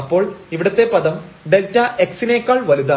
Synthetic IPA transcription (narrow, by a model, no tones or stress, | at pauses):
ɐpːo̞ːɭiʋiɽɐt̪ːe̞pɐðɐm | ɖeltːɐʔeksineːkːɐːɭʋɐliða